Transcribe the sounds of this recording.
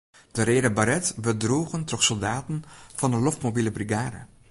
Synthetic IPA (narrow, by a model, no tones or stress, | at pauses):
d̥əɾeːdəbaɾɛtbədruːɣəntɔχsɔlˠdaːtənv̥ɑndəlɔftmobiləbriɡaːdə̰